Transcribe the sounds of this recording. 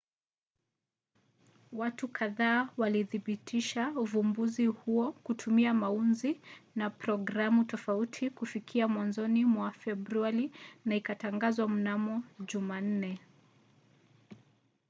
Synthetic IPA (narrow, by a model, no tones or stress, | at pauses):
watukʰaðaːwaliðiɓitʰiʃauvumbuzihuɔkutʰumiamaunzinapɾɔɡɾamutɔfautʰikufikʰiamwanzɔnimwafɛbɾuaɾinaikataŋɡazwam̩namɔʄuman̩nɛ